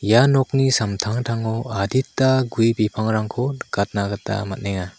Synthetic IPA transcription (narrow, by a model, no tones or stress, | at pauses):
janɔk̚nisamtʰaŋtʰaŋɔaditːaɡujbipʰaŋɾaŋkʰɔɡ̥at̚naɡatːa̰mat̚neŋa